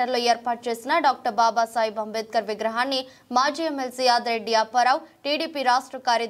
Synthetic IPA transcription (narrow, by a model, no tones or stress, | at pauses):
ɐɾloːeːɾpaːʈ̚t͡ʃe̞ːsinɐɖaːk̚ʈɐɾbaːbaːsaːjibʱɐmʋeːt̪̚kɐɾʋiɡɾɐɦaːnːi | maːd͡ʒiːemːelsiːjaːd̪ɾeɖːijaːpɐɾaːwʈiːɽiːpiːɾaːʂʈɾɐkaːɾjɐ